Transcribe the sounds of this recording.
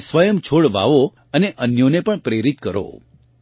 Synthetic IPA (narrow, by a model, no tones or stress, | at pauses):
sʋəjəmt͡ʃʰoɽʋa̰ʋo | əneʔənjonepəɳpɾeɾit̪̚kəɾo̰